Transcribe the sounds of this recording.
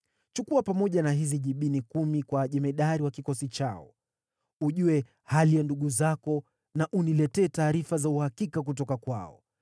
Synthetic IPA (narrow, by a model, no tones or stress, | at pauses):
t͡ʃukuapamɔʄanaɦiziʄiɓinikumikwaʄɛmɛɗaɾiwakikɔsit͡ʃaɔ̰ | uʄuɛ | halijanduɠuzakɔ | naʔunilɛtɛːtaːɾifazauhakikak̬ut̬ɔkakwa̰ɔ̰